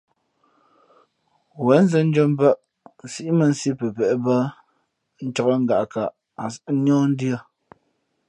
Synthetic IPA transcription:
wɛ˨˦n˦zə˦n̩˦d͡ʒo˦m˦bə˦ʔ | si˦ʔi˦mə˨n̩˦si˦pə˨pɛ˨ʔbə˦ | n̩˦t͡ʃɔ˦ɣə˦ŋ̩˦ɡa˨ʔka˨ʔ | a˨˦nɔː˦n̩˦djə˦˨

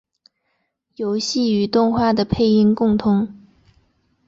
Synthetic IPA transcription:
jo˧˥ʊɕi˥˩y˨˧˥t̪ʊ˥˧ŋxwa˥˩d̪ə˩pʰe˥˩ɪi˥ŋkʊ˥˩ŋt̪ʰʊ˧˥ŋ

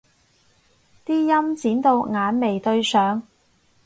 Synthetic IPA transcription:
t̪iː˥jɐ˥mt͡siː˨˥nt̪o˧wŋaː˨˧nme˨˩jt̪ɵ˧ɥsœː˨˧˥ŋ

